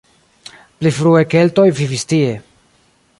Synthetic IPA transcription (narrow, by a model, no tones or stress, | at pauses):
plifɾueke̞lto̞jvivistie̞